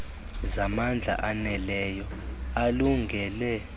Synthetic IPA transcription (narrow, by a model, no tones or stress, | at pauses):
zamand͡ɮʱa̰ʔanɛlɛjɔ | aluŋɡʱɛlɛ